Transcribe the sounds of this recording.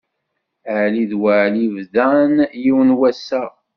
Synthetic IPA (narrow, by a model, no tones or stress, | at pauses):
əʕliðwəʕlivðænjiwnwæsːæ